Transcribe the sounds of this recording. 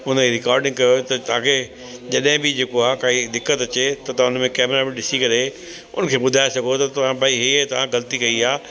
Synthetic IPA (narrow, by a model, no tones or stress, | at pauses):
ʊnəiɾɪkaːɾɖɪ̃ŋɡ̚kɐjot̪ɐt̪ɐʋ̤ãkʰe | d͡ʑɐɗɦɪ̃bɪd͡ʑeːkoaːkaːid̪ɪkːət̪ɐt͡ɕet̪ɐt̪ɐãʊnmẽkɛːmɾabɪɗɪsikɐɾe | ʊ̰nə̆kʰeːɓʊd̪ʱaːesɐɡʱot̪ɐt̪ɐʋ̤ãbʱaːiɦet̪ɐʋ̤ãɡɐlət̪ikɐiaː